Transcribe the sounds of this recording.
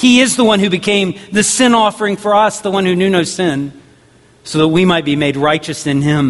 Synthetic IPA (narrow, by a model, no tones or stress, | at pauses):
hiɪzðəwʌ̃nhʉbɨkʰẽɪ̃mðɨsɪ̃nɔfə˞ɪ̃ŋfə˞ʌsðəwʌ̃nhʉnjʉnoʊsɪ̃n | soʊðət̚wimaɪt̚b̥imeɪd̚ɹaɪt͡ʃɨsɨ̃nɪ̃m